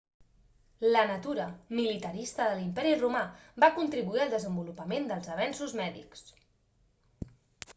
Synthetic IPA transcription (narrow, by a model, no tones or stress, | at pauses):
lənət̪uɾəmilit̪əɾist̪əðəlimpɛɾirumabakunt̪ɾiβuiəlˠd̪əzəmbulupəmend̪əlˠzəβɛnsuzmɛðḭks